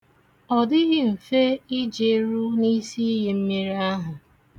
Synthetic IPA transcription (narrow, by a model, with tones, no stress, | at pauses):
ɔ˨dɪ˦ɣɪ˦m̩˨fe˦ɪ˦d͡ʒe˨˦ɾu˦ni˦si˦ɦe˨m̩˦mi˦ɾi˦a˦ɦʊ˨